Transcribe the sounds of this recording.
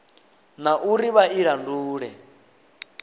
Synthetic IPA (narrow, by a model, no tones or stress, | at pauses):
naʔuɾiβaiɺanduːɺɛ